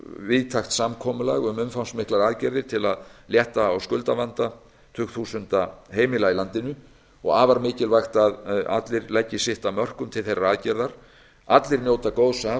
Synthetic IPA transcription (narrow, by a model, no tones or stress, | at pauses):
vɪðt̪ʰaxt̪samkʰɔːmʏlaɣʏmʏmfawnsmɪhklaɾaːðcɛɾðɪɾ̥t̪ʰɪlaðljɛht̪aːwskʏlt̪avant̪a | t̪ʰʏkθusʏnt̪aɦeːjmɪlailant̪ɪnʏ | ɔ̰ɣaːvaɾmɪːcɪlvajxt̪aða̰t̪lɪɾlɛcːɪsɪht̪amœr̥kʏmt̪ʰɪlθejrːaaðcɛɾðaɾ̥ | at̪lɪɾnjoːwt̪akowðsa